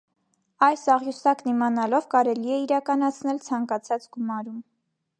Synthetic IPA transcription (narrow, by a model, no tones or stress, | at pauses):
ɑjsɑʁjusɑknimɑnɑlɔvkɑɾɛliɛiɾɑkɑnɑt͡sʰnɛlt͡sʰɑŋkɑt͡sʰɑt͡sɡumɑɾum